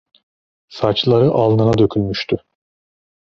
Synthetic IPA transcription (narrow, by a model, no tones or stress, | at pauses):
sat͡ʃlˠaɾɯʔalˠnanad̪ø̞kʲʰylmyʃt̪ʰy